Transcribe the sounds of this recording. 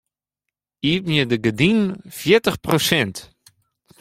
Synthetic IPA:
iːpmjədəɡədinfjɪtəχprosɛnt

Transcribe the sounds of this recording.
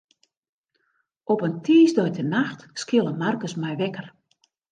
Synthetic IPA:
ɔpəntʰiːsdɔjtənaxtskɪlˠəmarkəsmɛjʋɛkər

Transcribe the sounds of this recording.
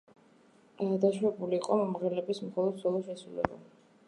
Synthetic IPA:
ad̪aʃwɛbuliːqʼɔmɔmʁɛlɛbismχɔlˠɔd̪zɔlˠɔʃɛsulɛ̰ba̰

